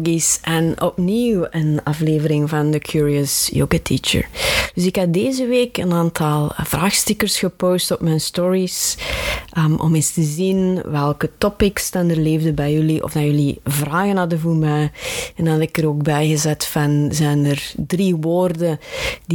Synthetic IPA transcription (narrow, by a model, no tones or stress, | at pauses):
ɡisʔɛnʔɔpniwənɑfleːvəɾɪŋvɑndəkʰjuːɹiəsjo̰ːɡatʰḭt͡ʃə̰ɹd̥ɵsɪkɦɑt̚deːzəʋeːkənaːntʰɑlˠv̥raːxstɪkəɹsxəpoːstɔpmɛjnstɔɹis | ʔʔɔ̰menstəzinʋɛlˠkətɔpɪkstanərleːvdəbɛjɵliʔɔ̰vdajɵlivraːɣənɑdəvuːɹmɛjɛndɑnɑtɪkəɾoːɡ̚bɛjɣəzɛtfɑnzɛjnərdriʋoːrdədi